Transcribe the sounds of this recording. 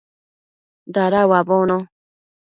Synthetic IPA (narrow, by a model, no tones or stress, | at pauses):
daɾawabonõ